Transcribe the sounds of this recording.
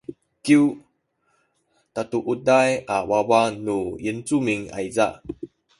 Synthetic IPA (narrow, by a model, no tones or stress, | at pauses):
kiw | tatuʔut̚dajʔawawanujint͡sumiŋa̰jza̰ʔ